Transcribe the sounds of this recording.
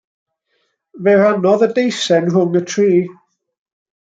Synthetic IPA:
vɛɾanɔðədejsɛnɦʊŋətʰriː

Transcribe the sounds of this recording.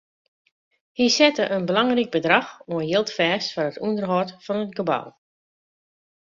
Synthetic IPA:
hisɛtəʔənbəlaŋrik̚bədrɑxoənjɪlˠtfɛːstfɔrətundərɦɔtfɔnətɡəba̰w

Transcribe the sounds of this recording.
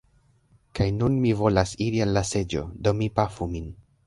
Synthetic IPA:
kajnunmivo̞lasiɾianːase̞d͡ʒo̞̰do̞mipafumin

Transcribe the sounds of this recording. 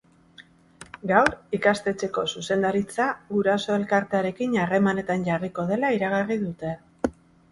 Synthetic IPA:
ɡawɾikast̪e̞t͡se̞ko̞suse̞nd̪aɾit͡saɣuɾaso̞e̞lkaɾt̪e̞aɾe̞kinare̞mane̞t̪anʝariko̞ð̞e̞laiɾaɣ̞ariðut̪e̞

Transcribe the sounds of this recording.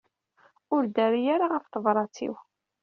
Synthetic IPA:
ʊɾd̪æɾijaɾaʁəft̪əvɾˤɑt͡sḭw

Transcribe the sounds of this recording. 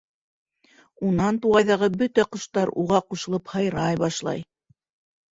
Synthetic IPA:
unɑnt̪uʁɑjðɑʁɤbɵt̪æqɤ̆ʃt̪ɑɾuʁɑquʃɤ̆lˠɤphɑjɾɑjbɑʃlˠɑ̰j

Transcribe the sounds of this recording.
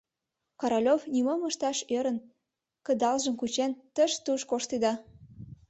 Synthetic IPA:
kɑɾolʲovnimomə̆ʃt̪ɑʃeɾə̆n | kə̆d̪ɑlʒə̆mkut͡ɕent̪əʃt̪uʃkoʃt̪id̪ɑ

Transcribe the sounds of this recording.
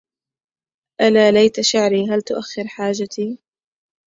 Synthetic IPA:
ʔanaːlajt̪aʃɪʕɾiːɦalt̪ʊʔaxːɪɾħaːd͡ʒat̪iː

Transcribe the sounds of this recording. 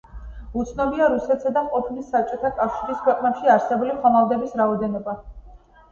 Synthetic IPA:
ut̪sʰnɔbiaɾusɛt̪ʰsad̪aqʼɔpʰnisːap̚t͡ʃʼɔt̪ʰakʼafʃiɾiskʰwɛqʼnɛpʃiaɾsɛbuliχɔmalˠd̪ɛbisɾaɔd̪ɛnɔba

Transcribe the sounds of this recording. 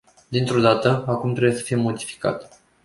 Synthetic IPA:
d̪int̪ɾo̞d̪at̪əakumt̪ɾe̞bujesə̥fijemo̞d̪ifi̥ka̰t̪

